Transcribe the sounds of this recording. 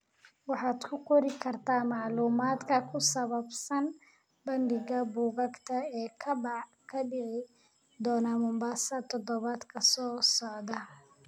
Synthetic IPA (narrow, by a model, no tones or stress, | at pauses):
wɑħɑːd̪kʰʊkʰɔɾɪkʰɐrt̪ʰaːmɑʕluːmaːd̪kʰɐkʰʊsɐβɐbsɐn | bɐndɪɣɐbuːɣɐɡt̪ʰɐɛːkʰɐbɑʕ | kʰɐɖɪʕɪ | d̪ɔːnɐmʊmbaːsɐt̪ʰɔd̪ɔβaːd̪kʰɐsɔːsɔʕd̪ɐ